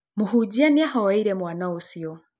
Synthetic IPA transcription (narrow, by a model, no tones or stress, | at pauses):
muɦuɟianiahawaiɾemwaːnausio